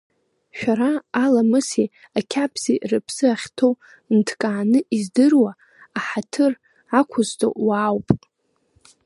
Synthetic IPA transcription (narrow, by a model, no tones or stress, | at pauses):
ʃᶣaɾaːlamɨsi | akʲʰapʰzḭʔrɨpʰsɨaχʲtʰow | ntʰkʼaːnɨʔizdɨrwaː | ħatʰɨr | akʷʰʊztʰʼo̰waːwpʼ